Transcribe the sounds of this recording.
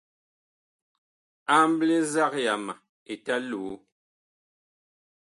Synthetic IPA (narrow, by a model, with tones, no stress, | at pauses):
a˦m˦ble˦za˦kja˨ma˨ | e˨ta˦luː˨˦